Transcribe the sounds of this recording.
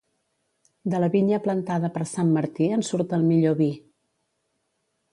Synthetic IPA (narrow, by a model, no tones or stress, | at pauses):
d̪ələβiɲəplənt̪aðəpəɾsamːəɾt̪iənsuɾt̪əlˠmiʎoβi